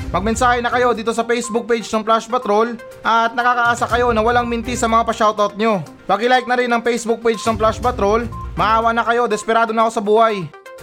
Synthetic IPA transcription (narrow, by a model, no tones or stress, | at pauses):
mɐɡ̚mɛnsaːhɛnɐkɐjo̞d̪iːt̪o̞sɐpɛjsbʊk̚pejd͡ʒnɐŋplaʃpɐt̪ɾo̞l | ʔɐt̪̚nɐkaːkɐʔaːsakɐjo̞nɐwɐlaŋmɪnt̪isɐmɐŋapɐʃawt̪ot̪̚ɲo̞ | pɐɡɪlajk̪̚nɐɾɪnːɐŋpɛjsbʊk̚pejd͡ʒnɐŋplaʃpɐt̪ɾo̞lmɐʔaːwɐʔnɐkɐjo̞d̪ɛspɛɾaːd̪onɐko̞sɐbuːhaj